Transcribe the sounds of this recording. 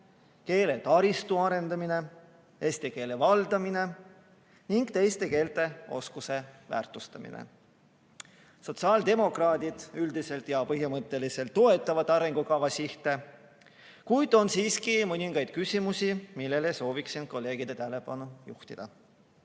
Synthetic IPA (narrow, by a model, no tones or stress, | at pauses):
ke̞ːle̞t̪ɑɾist̪uɑɾe̞nd̪̥ɑmine̞ | eːst̪eke̞ːle̞vɑld̪̥ɑmine̞ | niŋɡ̥t̪e̞jst̪e̞ke̞ːlt̪e̞o̞̰skuse̞væ̰ːrt̪ˑust̪ɑmḭnḛ | so̞t̪sɑːld̪̥e̞mo̞krɑːd̪̥id̪̥yld̪̥ise̞lt̪jɑpɤɦimɤt̪ːˑe̞lise̞lt̪ːo̞e̞t̪ːˑɑvɑt̪ːˑɑɾeŋɡ̥ukɑvɑsiht̪e̞ | kujd̪̥o̞nsiːskimɤniŋɡ̥ɑjd̪̥̚kysʲimusʲimilːe̞leso̞ːviksin̥̚ko̞lːe̞ːɡ̥id̪̥et̪æle̞b̥ɑnujuht̪id̪̥ɑ